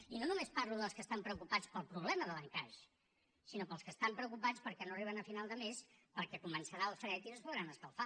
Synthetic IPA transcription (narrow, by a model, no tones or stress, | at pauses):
inonumesparluðəlˠskəst̪ampɾəukupat͡spəlˠpɾuβlɛməðələŋkaʒ | sinopəlˠskəst̪ampɾəukupat͡spəɾkɛnoəriβ̞ənəfinalˠd̪əmespəɾkɛkumənsəɾaəlˠfɾɛt̪iəspuðɾanəskəlˠfa